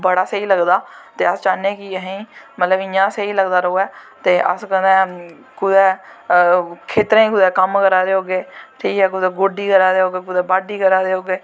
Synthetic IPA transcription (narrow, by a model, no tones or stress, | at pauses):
bəɽaːsəiːləɡd̪aːt̪eːəst͡ʃaːnẽːkɪəɦĩːmət̪ləbɪ̃ãːseiːləɡd̪aːɾəoːɛːt̪eːʔə̰skə̃nd̪ɛ̃ː | kʊd̪ɛː | kʰeːt̪ɾẽːiːkʊd̪ɛːkəmkəɾaːd̪eːɦoːɡeːʈʰiːkɛːk̬ʊd̪ɛːɡoːɖiːkəɾaːd̪eːɦoːɡeːkʊd̪ɛːbaːɖiːkəɾaːd̪eːɦoːɡeː